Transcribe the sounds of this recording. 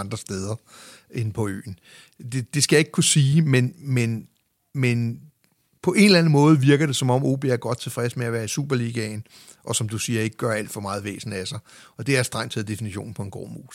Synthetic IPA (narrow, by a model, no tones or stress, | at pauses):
nd̥ʁɐsd̥eð̞ˠɐʔe̝npʰɒ̽ø̰ːn̩ | d̥e̝d̥e̝sɡ̥æjɑ̈eɡ̥̚kʰusiːmenmen | men | pʰɒ̽ʔe̝nlænəmɔ̽ːð̞ˠʋiɐɡ̥ɐɾ̥e̝sɒ̽mɒ̽m̰o̝̰ːb̥e̝æɐɡ̥ɒ̽d̥̚t͡sʰe̝lfʁɛsmeæʋæːɐisṵːb̥ɐliɡ̥ɛn | ʔɒ̽sɒ̽md̥usiːɐe̝ɡ̥əɡ̥ɶɐæl̰d̥fɒ̽mɑ̈ːð̞̩ˠʋḛːsn̩æsɑ̈ɪɒ̽d̥e̝æɐsd̥ʁɑ̈ŋ̰t͡sʰe̝læd̥e̝finiɕo̰ːn̩pʰɒ̽e̝nɡ̥ɒ̰ːmṵːs